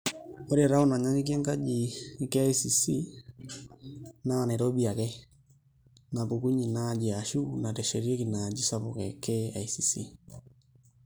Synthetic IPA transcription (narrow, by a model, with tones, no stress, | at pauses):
o˦ɾe˨ɾa˦o˦na˨ɲa˦ŋi˦k̬jɛ˦ŋka˦d͡ʒiː˨˦kɛ˦a˦isi˨si˦ | na˦a˨nɛ˨ɾo˦bi˨a˨kɛ˦ | na˨βu˨ku˦ɲi˨nad͡ʒi˨a˨ʃu˦na˨tɛ˨ʃɛ˨ɾi˦e˦ki˨na˨d͡ʒi˦sa˦βokɛ˨kɛ˦a˨isi˨si˦